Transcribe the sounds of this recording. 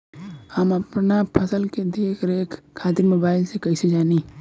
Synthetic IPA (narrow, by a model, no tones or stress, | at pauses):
həmɐpnapʰəsəlked̪eːkəɾeːkʰkʰːaːd̪imoːbaːɪlsekɐised͡ʒaːni